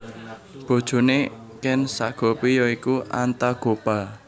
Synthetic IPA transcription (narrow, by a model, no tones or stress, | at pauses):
b̥o̤d̥ʒ̥o̤nekɛnsaɡ̥ɔ̤pijɔikuʔant̪aɡ̥o̤pa